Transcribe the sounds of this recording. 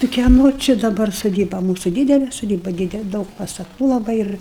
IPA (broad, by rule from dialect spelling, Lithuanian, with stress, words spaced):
tɐɪ kʲiɛˈnoː t͡ʃʲɪ dɐˈbɐr soːˈdʲiːbɐ ˈmuːsʊ ˈdʲiːdʲɛlʲɛ soːˈdʲiːbɐ ˈdʲiːdʲɛlˠ ˈdɐʊk pɐstɐˈtuː lˠɐˈbɐɪ ɪr